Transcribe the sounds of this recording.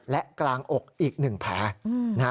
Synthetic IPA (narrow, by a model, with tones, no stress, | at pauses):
lɛ˦˥ʔklaː˧ŋʔo˨˩k̚ʔiː˨˩k̚nɯ˨˩ŋpʰɛː˨˦˥na˦